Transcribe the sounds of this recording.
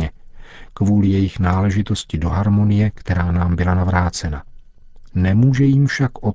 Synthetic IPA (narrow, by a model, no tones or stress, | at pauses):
ɛkvuːlɪjɛjɪxnaːlɛʒɪt̪o̞scɪdo̞ɦaɾmo̞nɪjɛkt̪ɛɾaːnaːmbɪlanavɾaːt͡sɛna | nɛmuːʒɛjimfʃakʔo